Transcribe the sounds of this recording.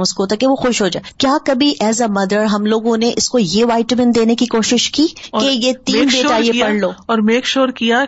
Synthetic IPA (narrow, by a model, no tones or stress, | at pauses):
ʊskoːt̪akeʋoxʊʃɦoːd͡ʒaːeekjaːkɐbʱiʔɛːzamɐd̪əɾɦɐmloːɡõneʔɪskojeʋaːɪʈəmɪnd̪eːnekikoːʃɪʃkiːkejet̪iːnbeːtaːieppɐɽ̤loːɔːɾmeːkʃoːɾkija